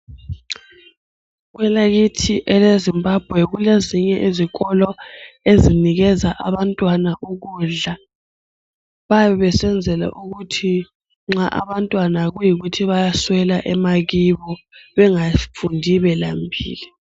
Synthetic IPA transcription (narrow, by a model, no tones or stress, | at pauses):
ɣwɛlaɣitʰiʔɛlezimbʱab̥ʱwɛɣuleziɲɛʔiziɣɔlɔeziniɣɛzaʔaβantʼwanaʔuɣuːɮa | βaβɛβɛsɛnd͡zʱɛla̰ʔuɣutʰi | ŋ͡ǁaʔa̰βantʼwanaɣujiɣutʰiβajaswɛlaʔɛmaɣiβɔβɛŋafundʱiβɛlambʱḭːli